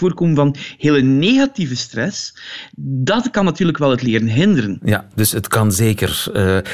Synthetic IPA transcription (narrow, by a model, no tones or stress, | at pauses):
oːrkoːmənvɑnheːləneːɣativəstrɛs | dɑtkɑnːɑtyːrləkʋɛlˠɦətlɪːɾənɦɪndəɾənjad̥ɵsətkɑnzeːkə̰r